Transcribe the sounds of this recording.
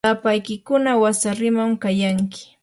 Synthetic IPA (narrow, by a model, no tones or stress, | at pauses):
apajkɪkʊnawasaɾɪmamkajaŋkɪ̥